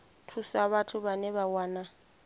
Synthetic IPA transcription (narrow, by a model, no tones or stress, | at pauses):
tʰusaβatʰʊbanɛβawaːna